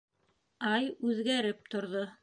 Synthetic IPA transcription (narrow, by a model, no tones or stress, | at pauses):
ɑjʉðɡæɾɘp̚t̪ŏɾðo